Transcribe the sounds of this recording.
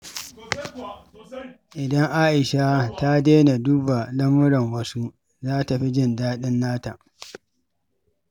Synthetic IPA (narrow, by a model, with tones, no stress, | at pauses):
ʔɪ˨dɐ˦ŋʔa˦ʔɪ˨ʃa˦ta˦deː˦na˨duː˦ba˨lɐ˦mʊ˦ɾɔ˨ŋwɐ˦su˦ | zaː˦ta˨ɸi˦d͡ʒɪ˦ndaː˦ɗɪ˦nːaː˦ta˨ʔ